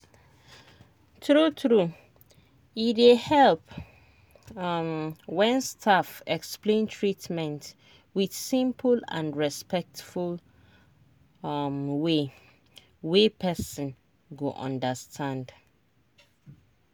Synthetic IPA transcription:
tɹutʰɹu | iehɛlp | wɛ̃nstʰafɛksplẽntʰɹitmɛ̃nt | widsĩmpʰlã̰nɹɛspɛk̚tful | mwe | wepʰɛsə̃n | ɡoʔɔ̰̃ndəstʰãnd

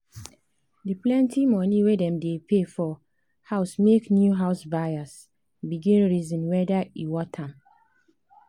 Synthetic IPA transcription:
diplɛ̃ntimɔniwedɛ̃mdepʰefɔ | haʊsmeknjuɦaʊsbajas | biɡĩnɹizɔ̃nwɛdaiwɔtʰam

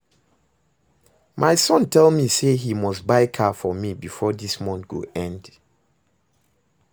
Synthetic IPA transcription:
mʔaɪsɔ̃ntʰɛlˠmiseɦimɔstbaɪkʰafɔmibifɔdismɔ̃nɡ̥o̰ɛ̃nd̥

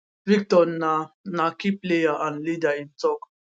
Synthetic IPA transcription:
vik̚tɔnanakiplejaʔãnlidaĩntɔk

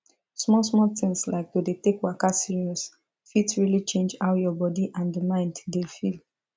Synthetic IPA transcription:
smɔsmɔltɪ̃ŋslaɪkjodetekwakasiɹiɔs | fitsɹilit͡ʃẽnd͡ʒhawjɔbɔdiʔãndəmãɪ̃nddefil

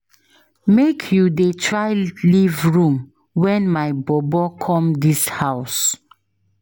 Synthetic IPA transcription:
mekʰjudetʰɹaɪlivɹũm | wɛ̃nmaɪbɔbɔkʰɔ̃mdishaʊs

